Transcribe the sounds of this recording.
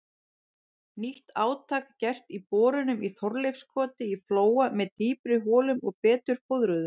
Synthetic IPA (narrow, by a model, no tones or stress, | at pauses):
niht̪aːwt̪ʰaːkcɛr̥t̪ipɔːɾʏnʏmiθɔɾlejfskʰɔːt̪ɪifloːwamɛðt̪iːpɾɪɦɔːlʏmɔɣpɛːt̪ʏɾ̥fowðɾʏðʏm